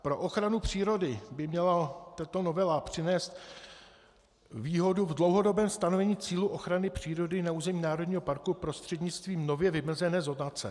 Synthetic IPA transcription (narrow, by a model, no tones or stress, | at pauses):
pɾo̞ʔo̞xɾanupr̝̥iːɾo̞dɪbɪmɲɛlat̪at̪o̞no̞vɛlapr̝̥ɪnɛːst̪ | viːɦo̞duvdlo̞wɦo̞do̞bɛːmst̪ano̞vɛɲiːt͡siːluʔo̞xɾanɪpr̝̥iːɾo̞dɪnauːzɛmiːnaːɾo̞dɲiːɦo̞paɾkupɾo̞st̪r̥ɛdɲɪt͡st̪viːmno̞vjɛvɪm̩zɛnɛːzo̞dnat͡sɛ̰